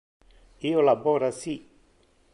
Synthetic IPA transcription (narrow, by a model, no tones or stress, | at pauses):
iolaboɾasi